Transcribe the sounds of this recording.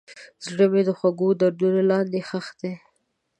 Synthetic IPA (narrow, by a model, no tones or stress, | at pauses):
zɽəmed̪əxwaɡod̪aɾd̪unolɑnd̪exəxd̪̥e